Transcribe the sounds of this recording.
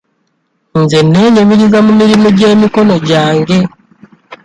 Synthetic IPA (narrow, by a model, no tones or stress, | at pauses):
nzenːe̞ːɲemiɾizamumiɾimoɟe̞ːmiko̞no̞ɟaːŋɡe̞